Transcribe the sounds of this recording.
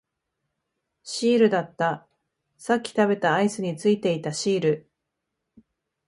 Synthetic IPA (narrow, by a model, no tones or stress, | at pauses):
ɕiːɾɯ̟d̪at̪ːa | sakʲːi̥t̪abe̞t̪aːisɨɲ̟it͡sɨit̪e̞it̪aɕiːɾɯ̟